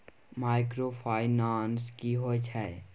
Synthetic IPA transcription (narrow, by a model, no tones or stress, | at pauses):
maːɪkɾopʰaːɪnaːnskiɦot͡ʃʰɛ